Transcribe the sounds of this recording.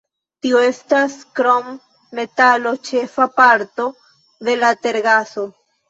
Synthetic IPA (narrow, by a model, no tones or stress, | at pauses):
tioe̞staskɾomː | e̞talo̞t͡ʃe̞fapaɾto̞ | d̪e̞late̞ɾɡaso̞